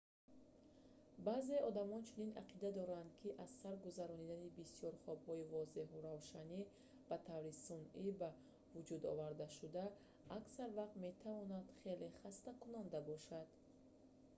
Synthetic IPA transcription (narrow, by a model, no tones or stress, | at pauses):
baːze̞ɔd̪amɔnt͡ʃʰunina̰qʰid̪ad̪ɔɾand̪̚kʰiʔazsaɾɡuzaɾɔnid̪anibisiɔɾχɔbhɔivɔze̞ɦuɾavʃani | b̥at̪ʰavɾisuniba | vud͡ʒud̪ɔ̰vaɾd̪aʃud̪aː | ksaɾvaqt̪me̞t̪ʰavɔnad̪̥χe̞le̞χast̪akunand̪abɔʃad̪̥